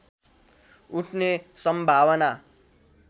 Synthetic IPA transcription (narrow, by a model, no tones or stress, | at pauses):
uʈʰnesʌmbʱawʌna